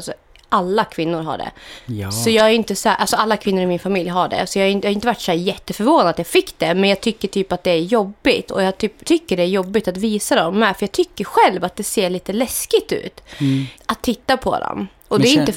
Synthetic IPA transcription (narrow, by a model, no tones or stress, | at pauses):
lsɔ | ʔalːakʰvɪnːʊɾɦa̰ɖɛ̰sɔjɑːɡaɾjɪnt̪əsæɾʔalsɔalːakʰvɪnːʊɾɪmɪnfamɪljɦaɖɛ̰sɔjɑɡhajɪnhaɾɪnt̪əvaʈːshæːɾjɛt̪ːəfœɾvoːnad̪at̪jɑːɡfɪkːd̪ɛmɛnjɑːɡ̚t̪ʰʏkːəʈʰyːpat̪̚d̪ɛæɾjɔbːɪt̪ʰɔ̰jɑɡt̪ʰyːpt̪ʰʏkːəɖɛæɾjɔbːɪt̪at̪viːsad̪ɔmːɛfœɾjɑːɡ̚t̪ʰʏkːəɾɧɛlvat̪̚d̪ɛseːɭiːt̪əlɛskɪɡ̚t̪ʉ̟̰ːt̪at̪ʰːɪt̪ːapʰɔ̰d̪ɔ̰m | ɔd̪ɛɾʏɪnə